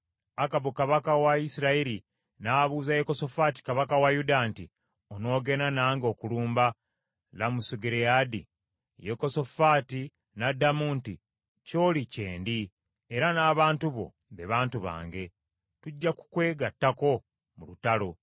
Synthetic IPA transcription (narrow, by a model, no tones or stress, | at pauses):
akaβukaβakawaisiɾaeɾi | naːβuːzajekoso̞faːti̥kaβakawajudanti | ono̞ːɡe̞nanaːŋɡo̞ːkuluːmba | lamusuɡeɾejadḭ | jeko̞so̞faːti | nadamuːnti | co̞ːliceːndi | eɾanaːβaːntuβo̞̰ | βeβaːntuβa̰ːŋɡe̞ | tuɟːaku̥kwe̞ːɡatːako̞ | mulutalo